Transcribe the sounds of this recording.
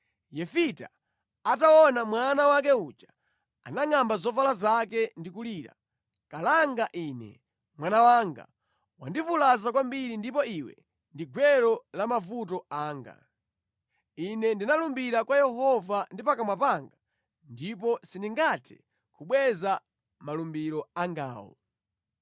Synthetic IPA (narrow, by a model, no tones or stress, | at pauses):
jɛfita̰ | ataɔnamwanawak̬ɛut͡ʃḁ | a̰naŋambazɔvalazakɛndikuliːɾa̰ | kalaŋɡaʔinɛ̰ | mwanawaːŋɡa̰ | wa̰ndifulazakwambiɾindipɔiwɛ̰ | ndiɡwɛɾɔlamavut̬ɔaːŋɡa̰ | inɛndinalumbiɾakwajɛɦɔvandipakamwapaŋɡa | ndip̬ɔsindiŋɡatʰɛ̥̰ | kʰuɓwɛza | malumbiɾɔaŋɡa̰ːwɔ̰